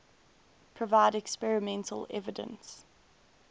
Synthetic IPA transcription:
pʰɹ̥əvaɪdɛkspɛɹɪmɛ̃ntʰə̰lɛ̰vədə̰̃ns

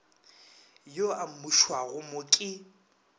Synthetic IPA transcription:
joamuʃwaɣʊmʊkʼɪ

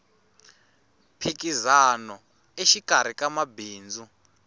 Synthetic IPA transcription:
pʰikizanɔ | eʃikaɾ̤ikamabiːnd͡zu

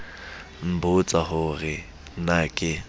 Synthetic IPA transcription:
m̩bʊt͡sʼahʊrɪ | nakʼɪ

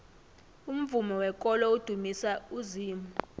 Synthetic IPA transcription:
um̩vumɔwɛkʼɔlɔud̥ʱumisauziːmu

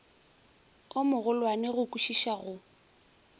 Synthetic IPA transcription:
ʊmʊɣʊlwanɪɣʊkʼuʃiʃaɣʊ

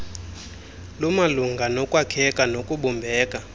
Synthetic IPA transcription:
lumaluŋɡʱanɔkʼwakʰɛkʼanokʼuɓɔmbʱɛːkʼa

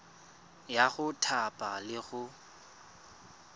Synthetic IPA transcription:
jaɣʊtʰapʼalɪɣʊ

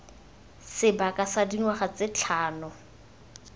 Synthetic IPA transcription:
sɪbakʼasadiŋwaχat͡sɪt͡ɬʰaːnɔ

